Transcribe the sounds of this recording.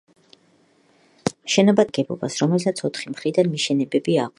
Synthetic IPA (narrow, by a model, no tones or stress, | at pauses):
ʃɛnabad̪ɡɛbɔ̰basɾɔmɛlsat̪sʰɔt̪ʰχimχɾid̪anmiʃɛnɛbɛbiaq